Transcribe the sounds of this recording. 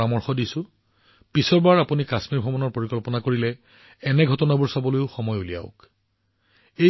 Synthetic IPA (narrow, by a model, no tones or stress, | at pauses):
amɔɹxɔdisʊ̃ | pisɔɹbaɹapunikasmiɹbʱɔmɔnɔɹpoɹikɔlpɔnakoɹilɛ | ɛnɛɡʱɔtɔnabuɹsabɔlojʊxɔmɔjulija̰ʊk | e